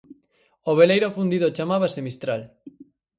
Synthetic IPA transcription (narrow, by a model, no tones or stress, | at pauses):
oβ̞elejɾofund̪iðot͡ʃamaβ̞asemist̪ɾal